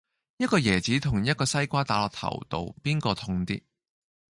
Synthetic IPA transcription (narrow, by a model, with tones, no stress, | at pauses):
jɐ˥t̚kɔː˧jɛː˨˩t͡siː˨˥t̪ʰʊ˨˩ŋjɐ˥t̚kɔː˧sɐ˥jkʷaː˥t̪aː˨˧lɔː˨˩t̪ʰɐ̰˨˩wt̪o̰˨˧wpiː˥nkɔː˧t̪ʰʊ˧ŋt̪ḭː˥